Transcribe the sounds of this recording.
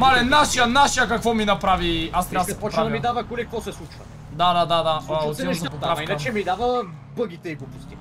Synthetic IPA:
malɛnaʃijɐnaʃijɐkɐkvɔminɐpɾaviast̪ɾabd̪ɐɛpɔt͡ʃpɾad̪ɐmid̪avɐkolikkvɔsɛslˠut͡ʃvə | d̪ad̪ad̪ad̪aot̪ɛafiknɐt͡ʃɛmid̪avə | bɤɡit̪ɛiɡopust̪i

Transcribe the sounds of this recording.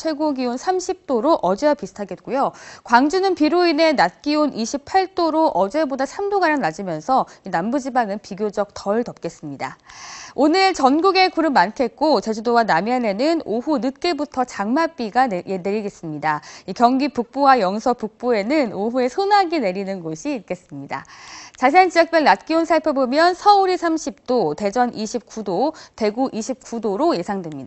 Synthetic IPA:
t͡ɕʰweɭɡoɡionsʰamɕʰip̚t͈oɾoʔʌd͡ʑeapisʰɯ̥tʰaɡe̞t̚k͈ujokwaŋd͡ʑunɯnpiɾoine̞nat̚k͈ionʔiɕʰipʰaɭt͈oɾoʔʌd͡ʑe̞bodasʰamdoɡaɾjaŋnad͡ʑimjʌnsʰʌinambud͡ʑibaŋɯnpiɡjod͡ʑʌk̚tʌɭtʌp̚k͈e̞s͈ɯmɲida̰onɯɭt͡ɕʌnɡuɡe̞kuɾɯmːankʰe̞t̚k͈ot͡ɕe̞d͡ʑudowanamjʌne̞nɯnoɦunɯt̚k͈e̞butʰʌt͡ɕaŋmap͈iɡaje̞dɯɾiɡe̞s͈ɯmɲidaikjʌŋɡipuk̚p͈owajʌŋsʰʌpuk̚p͈oe̞nɯnoɦue̞sʰonaɡine̞ɾinɯnɡoɕʰiːt̚k͈e̞s͈ɯmɲida̰t͡ɕaɕ̬ʰiant͡ɕiʌk̚p͈jʌɭnat̚k͈iunsʰaɭpʰjebomjʌnsʰʌuɾisʰamɕʰip̚t͈ote̞d͡ʑʌnʔiɕʰip̚k͈udote̞ɡuʔiɕʰip̚k͈udoɾoje̞sʰaŋdwe̞mɲida

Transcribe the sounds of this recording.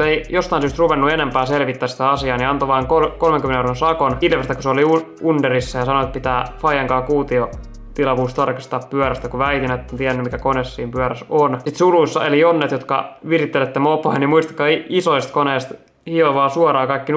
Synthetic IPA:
eijost̪ɑinsyːst̪ruʋenːuenempæːselʋit̪ːæːsi̥t̪æɑsiɑːniɑnt̪oʋɑːŋkokolmeŋkymːneurensɑkonilʋest̪ækuseoliuundɑrisːɑjɑsɑnoet̪̚pit̪æːfɑijɑŋkɑːkuːt̪io | t̪ilɑʋuːst̪ɑrkɑst̪ɑːppyœɾæst̪ækuʋæit̪inæet̪ːont̪iænːymikækonesːiːmpyæœɾæsonsit̪suluisːɑelijonːet̪jot̪kɑ̰ʋirit̪ːelet̪ːemopoɑnimuist̪ɑ̥kːˑɑːiisoist̪koneːst̪ | hioʋɑːsuɔrɑːkɑikːin

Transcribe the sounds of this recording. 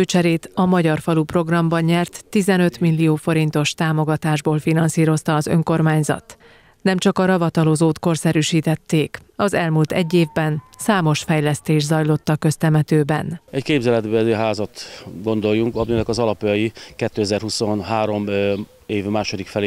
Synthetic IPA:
øːt͡ʃɛɾeːt̪ɒmɒɟɒrfɒlupro̞ɡrɒmbɒɲɲɛrt̪ːizɛnø̞t̪milːioːfo̞ɾint̪o̞ʃt̪aːmo̞ɡɒt̪aːʒboːlfinɒnsiːɾo̞st̪ɒːzø̞ŋko̞rmaːɲzɒ̰t̪ | nɛmt͡ʃɒkɒɾɒvɒt̪ɒlozoːt̪ko̞rsɛɾyʃiːt̪ɛt̪ːeːkɒzɛlmuːlt̪ɛ̰ɟːeːvbɛnsaːmo̞ʃfɛjlɛst̪eːʒzɒjlo̞t̪ːɒkø̞st̪ɛmɛt̪øːbɛ̰nɛckeːbzɛlɛd̪bøɛzøɦaːzɒt̪ɡo̞nd̪o̞jːuŋkɒminɛkɒzɒlɒpjɒjikɛt̪ːøːɛzɛrɦuso̞nɦaːɾo̞m | eːvmaːʃo̞d̪ikfɛleː

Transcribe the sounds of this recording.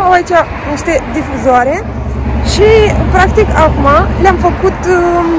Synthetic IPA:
await͡ʃa | niʃt̪e̞d̪ifuzoaɾe̞ | ʃipɾak̚t̪ikakumaleamfəkut̪

